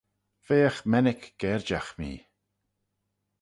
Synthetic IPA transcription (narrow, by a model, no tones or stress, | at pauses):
v̥eːəxmɛnɪkɡ̥ɛɹd͡ʒaxmḭː